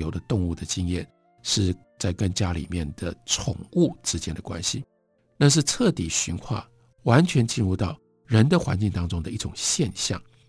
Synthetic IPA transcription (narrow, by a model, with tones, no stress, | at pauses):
jo˧˥ʊd̪ə˧t̪ʊ˥˧ŋu˥˩d̪ə˩t͡ɕi˥ŋjɛ˥˩n | ʂɻ̩˥˧ | t͡sa˥˩ɪkə˥nt͡ɕja˥lḭ˨˩mjɛ˥˩nd̪̥ə˩ʈ͡ʂʰʊ̰˨˩ŋu˥˩ʈ͡ʂɻ̩˥t͡ɕjɛ˥nd̪ə˨˩kwa̰˥nɕḭ˨˩ | na˥˧ʂ̬ɻ̩˥˧ʈ͡ʂʰɤ˥˩t̪i˨˩ɕy̰˧˥nkxʰwa̰˥˩ | wa˧˥nt͡ɕʰɥɛ˧˥nt͡ɕi˥˧nɻu˥˧t̪ɑ˥˩ʊ | ɻə˧˥nd̪ə˨xwa˧˥nt͡ɕi˥˩ŋt̪ɑ˥ŋʈ͡ʂʊ˥ŋd̪ə˨i˥˩ʈ͡ʂʊ˨˩ŋɕjɛ˥˧nɕjɑ̰˥˩ŋ